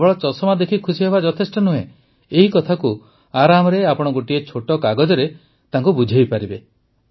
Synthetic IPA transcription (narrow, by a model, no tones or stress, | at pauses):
bɔɭɔt͡ʃɔsɔmad̪ekʰikʰusiɦebad͡ʒɔt̪ʰesʈɔnuɦḛ̃ | eɦikɔt̪ʰaku | aɾamɔɾeapɔɽ̃ɔɡoʈiet͡ʃʰoʈɔkaɡɔd͡ʒɔɾe | t̪aŋkubud͡ʒʱejpaɾibe